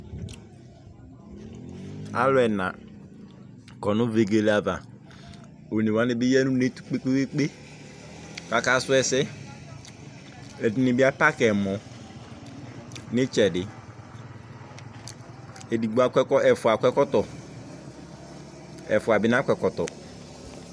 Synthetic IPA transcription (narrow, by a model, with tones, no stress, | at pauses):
a̰˦lʊ˦ɛ˨nã̰˨ | kɔ˨nʊ˦ve˨ɡe˦la˨va˨ | o˨ni˨wa˦nɪ˨bɪ˦jɛ˦nũ˦ne˦tu̥˦k͡pe˦k͡pe˦e˦k͡pe˦ | ka˦ka˦sʊ˦ɛ˨sɪ˦ | ɛ˨dɪ˦nɪ˨bɪ˦a˦pa˦kɛ˨mɔ˨ | nɪ̃˦t͡ʃɛ˨dɪ˨ | e˨di˨ɡ͡bu˦a˦kɛ˦kɔ˦ɛ˨fʊ˨a˨kʷɛ˦kɔ˦tɔ˨ | ɛ̰˨fʊ˨a˨bɪ˦nã˦kʷɛ˨kɔ˨tɔ˨